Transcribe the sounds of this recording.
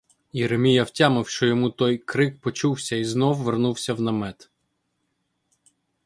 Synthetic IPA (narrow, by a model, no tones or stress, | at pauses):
jɛɾemʲijɐwtʲamɪwʃt͡ʃɔjɔmut̪ɔjkɾɪk̚pɔt͡ʃuwsʲɐiznɔwʋernuwsʲɐwnɐmɛt̪